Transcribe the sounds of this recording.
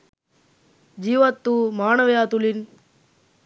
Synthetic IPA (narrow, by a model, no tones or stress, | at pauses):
d͡ʒiːʋɐt̪ːumaːnɐʋɐjaːt̪ulin